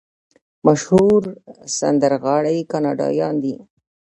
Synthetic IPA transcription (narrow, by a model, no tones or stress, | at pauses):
maʃhuɾsa̰nd̪əɾɣɑɽajkɑnɑɖɑ̰jɑnd̪i